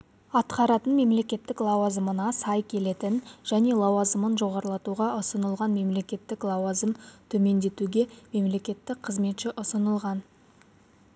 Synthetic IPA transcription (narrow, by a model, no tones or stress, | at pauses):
ɑt̪qɑɾɑt̪ənme̞mle̞kʲe̞t̪ːɪklˠɑwɑzəmənɑsɑjkʲʰe̞le̞t̪ɪnʒ̥æne̞lˠɑwɑzəmənʒo̞ʁɑɾəlˠɑt̪uʁɑʔʊsənəlˠʁɑnme̞mle̞kʲe̞t̪ːɪklˠɑwɑzəmt̪ʰɵme̞nd̪e̞t̪uɡʲe̞me̞mle̞kʲe̞t̪ːɪk̚qʰəzme̞t̪ʃɪʔʊsənəlˠʁɑn